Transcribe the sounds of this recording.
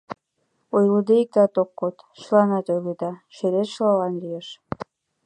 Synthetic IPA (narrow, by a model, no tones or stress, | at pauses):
ojlud̪eik̚t̪ɑt̪okːot̪ | ʃəlɑnɑt̪ojled̪ɑʃeɾet̪ʃlɑlɑnlijeʃ